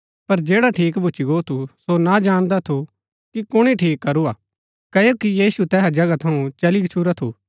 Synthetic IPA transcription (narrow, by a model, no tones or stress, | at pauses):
pɐɾd͡ʒeːɽaʈʰiːkbʱʊt͡ʃiɡoːt̪ʰusonad͡ʒaːɽ̃d̪at̪ʰu | kikʊɽ̃iʈʰiːkːɐɾuaː | kɐjokijiːsut̪ɛːɦad͡ʒɐɡat̪ʰɐũt͡ʃɐlikt͡ʃʰuɾat̪ʰuː